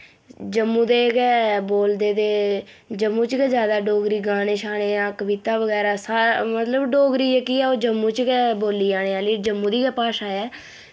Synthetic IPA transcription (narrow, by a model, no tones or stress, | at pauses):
d͡ʒəmːũːd̪eːkɛːboːld̪eːd̪eː | d͡ʒəmːũːt͡ʃkɛːd͡ʒjaːd̪aːɖoːɡɾiːɡaːneːʃaːɽeːãːkəʋit̪aːʋəɡɛːɾaːsamət̪ləbɖoːɡɾiːɛːkiːɛːoːd͡ʒəmːũːt͡ʃkɛːboːliːaːɽ̃eːaːliːd͡ʒəmːũːd̪iːkɛːpaːʃaːɛː